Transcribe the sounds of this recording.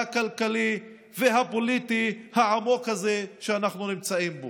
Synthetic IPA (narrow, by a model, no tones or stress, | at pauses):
akalkali | veɦapo̞litihaʕamo̞khazeʃeanaχnunimt͡saimbo